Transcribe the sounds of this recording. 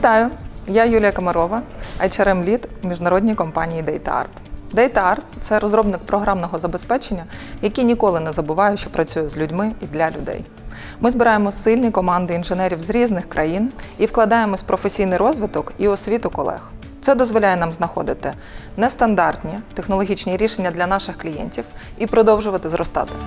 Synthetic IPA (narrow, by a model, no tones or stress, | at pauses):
ʋʲit̪ɑjʊjajulʲijɐkɐmɐɾɔʋɐɐjt͡ʃɛɾɛmlʲit̪umʲiʒnɐɾɔdʲnʲijkɔmpɑnʲijid̪ɛjt̪ɑ̰rt̪d̪ɛjt̪ɑrt̪t̪sɛɾɔzɾɔbnɪkpɾɔɦɾɑmnɔɦɔzɐbespɛt͡ʃenʲːɐjɐkʲinʲikɔlˠɪnɛzɐbʊʋɑjʊʃt͡ʃɔpɾɐt͡sʲujɛzʲlʲʊdʲmɪid̪lʲɐlʲʊd̪ɛ̰j | mɪzbɪɾɑjemɔsɪlʲnʲikɔmɑnd̪ɪinʒɪnɛɾʲiwzɾʲiznɪxkɾɐjiniwklˠɐd̪ɑjemɔsʲpɾɔfesʲijnɪjɾɔzʋɪt̪ɔkiɔsʲʋʲit̪ʊkɔlˠɛ̰x | t̪sɛd̪ɔzʋɔlʲajɛnɑmznɐxɔd̪ɪt̪ɪ | nɛst̪ɐnd̪ɑrt̪nʲit̪exnɔlˠɔɦʲit͡ʃnʲiɾʲiʃenʲːɐd̪lʲɐnɑʃɪxklʲijɛ̰nʲtʲiwipɾɔd̪ɔwʒʊʋɐt̪ɪzɾɔst̪ɑ̰t̪ɪ̥